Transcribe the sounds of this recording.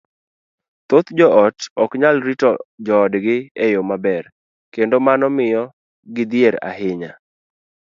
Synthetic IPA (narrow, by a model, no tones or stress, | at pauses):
t̪ot̪d͡ʒɔɔtɔkɲalɾitɔd͡ʒɔːdɡɪɛjomabɛr | kendomanɔmɪjɔ | ɡɪd̪jeɾa̰ɦɪɲa